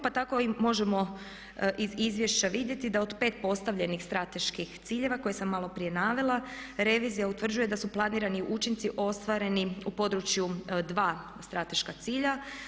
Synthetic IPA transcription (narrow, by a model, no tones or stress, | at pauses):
pat̪ako̞imo̞ʒemo̞ | ʔizizʋje̞ʃt͡ɕaʋid̪je̞t̪id̪ao̞d̪pe̞ːt̪̚po̞st̪aʋʎe̞nixst̪ɾat̪e̞ʃkixt̪siːʎe̞ʋako̞jesamːalˠo̞pɾije̞naːʋe̞lˠaɾe̞ʋiːzijaut̪ʋr̩d͡ʒuje̞d̪asuplˠaniːɾaniʔut͡ʃint̪siʔo̞st̪ʋaɾe̞niupo̞d̪ɾut͡ɕjud̪ʋaː | st̪ɾat̪e̞ʃkat̪siːʎa